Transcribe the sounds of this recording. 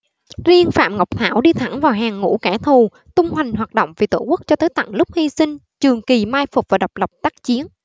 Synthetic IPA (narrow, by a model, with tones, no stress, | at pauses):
zi˧ənfa̰ː˧˨mŋɔ˨˩wk͡p̚t̪ʰaː˧˩wɗi˧t̪ʰa˧˩ŋvaː˨˩wɦaː˨˩ŋːṵ˧˥kɛ˧˩t̪ʰu˨˩ | t̪ʊ˧ŋ͡mhwa˨˩jŋ̟ɦwaː˨˩t̚ɗo̰˧˨wŋ͡mvi˨˩t̪o˧˩ku˦˥ək̚t͡ɕɔ˧t̪əː˨˦jt̪a̰˧˨ŋlʊ˦˥k͡p̚hi˧sï˧ŋ̟ | t͡ɕɨ˨˩əŋki˨˩maː˧jfʊ˨˩k͡p̚vaː˨˩ɗa˨˩wk͡p̚lə˨˩p̚t̪aː˦˥k̚t͡ɕi˨˦ən